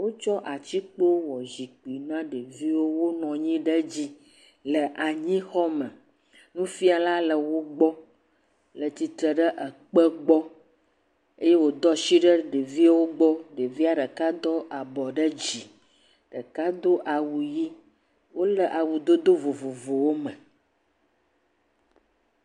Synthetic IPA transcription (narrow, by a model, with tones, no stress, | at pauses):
wo˦t͡ʃɔ˦ʔa˨t͡ɕi˦k͡po˦wwɔ˨zi˨k͡pi˨nã˦ɖə˨vi˦wo˦wo˦nɔ̃˨ɲĩ˦ɖə˦d͡ʑi˦ | lə˨ʔa˨ɲĩ˦xɔ˦mə̃˨ | nũ˦fi˦a˨la˦lə˨wo˦ɡ͡bɔ˦ | lə˨t͡ɕi˨t̪ɾə˨ɖə˦ʔə˨k͡pə˦ɡ͡bɔ˦ | e˦je˦wo˨d̪ɔ˦ʃi˦ɖə˦ɖə˨vi˦a˦wo˦ɡ͡bɔ˦ɖə˨vi˦a˦ɖə˨ka˦d̪ɔ˦ʔa˨bɔ˨ɖə˦d͡ʑi˨ | ɖə˨ka˦d̪o˦ʔa˨wu˨ji˦ | wo˦lə˨ʔa˨wu˨d̪o˦d̪o˦vo˨vo˨vo˨wo˦mə̃˨